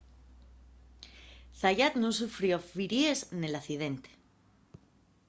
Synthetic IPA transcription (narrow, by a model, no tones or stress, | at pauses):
θaʝat̪nũns̬ufɾjofiɾieznelaθiðe̞nt̪e̥